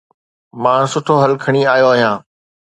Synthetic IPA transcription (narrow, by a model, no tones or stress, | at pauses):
mãːsʊʈʰoɦɐlkʰɐɽ̃iaːɦjoaːɦijãː